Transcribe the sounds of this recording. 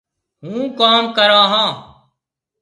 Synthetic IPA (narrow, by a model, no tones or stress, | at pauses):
ɦũːkaːmkəɾaːɦãː